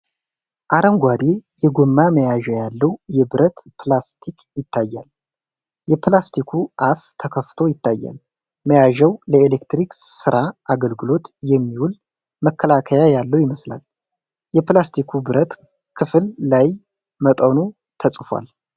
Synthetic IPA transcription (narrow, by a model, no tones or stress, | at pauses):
ʔaɾəŋɡʷad̪ejɛɡomːaməjaʒəjalːəwjɛbɨɾət̪pʰlast̪ʰikjɪt̪ʰːajːa̰l | jɛplast̪ʰikʰuʔaft̪ʰəkʰəft̪ʰo̞jɪt̪ʰːajːa̰l | məjaʒəwləelekt̪ɾiksɨɾʔaʔaɡəlɡɨlo̞t̪jɛmːiwul | məkʰːəlakʰəjajalːəwjɪməsla̰l | jɛplast̪ʰikʰubɨɾət̪ | kʰɨfɨlːaj | mət̪ʼənu | t̪ʰəsʼfa̰l